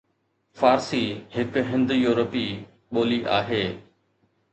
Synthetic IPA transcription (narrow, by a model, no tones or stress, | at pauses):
faːɾsihɪkɦɪ̃nd̪juːɾəpi | ɓoːliʔa̰ːɦeː